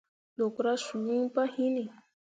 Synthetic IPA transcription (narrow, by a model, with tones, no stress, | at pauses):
lo˨kɾa˦ʃu˨u˦pa˦hi˦ni˨